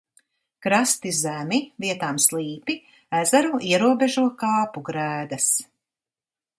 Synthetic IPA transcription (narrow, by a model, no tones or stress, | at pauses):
kɾast̪izæmiviɛt̪aːmslˠiːpi | æzæɾuiɛɾuɔbeʒuɔkaːpuɡɾæːd̪ɐs